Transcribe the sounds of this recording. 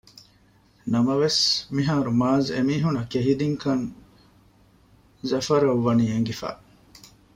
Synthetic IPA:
nɐmɐʋesmiɦaːɾumaːzḛmiːɦunɐkeɦid̪iŋkɐŋ | zɐfɐɾɐʋːɐniːeŋɡifæ̰ː

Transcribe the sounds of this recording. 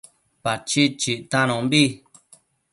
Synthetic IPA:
pat͡ʃit͡ʃiʔt̪ãñõmbi

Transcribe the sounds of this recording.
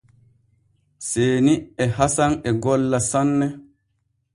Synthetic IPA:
seːniɛɦasanɛɡɔlːasanːɛ

